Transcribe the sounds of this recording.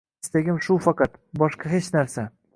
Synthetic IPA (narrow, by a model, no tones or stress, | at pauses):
st̪eɡʲɪmʃʊfɑqɑt̪bɒʃqɑɦet͡ʃnaɾsa